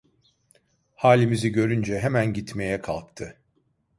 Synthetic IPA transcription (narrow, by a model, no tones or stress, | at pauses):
haːlʲimiziɟø̞ɾynd͡ʒɛɦemænɟit̪me̞jɛkʰa̰lˠk̚t̪ʰɯ